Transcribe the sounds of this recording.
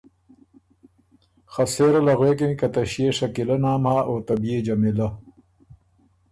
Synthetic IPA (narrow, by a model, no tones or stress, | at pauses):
xɐseːɾɐlɐɣweːkenikɐt̪ɐɕieʂɐkilɐnaːmhaːʔoːt̪ɐbied͡ʑɐmilɐ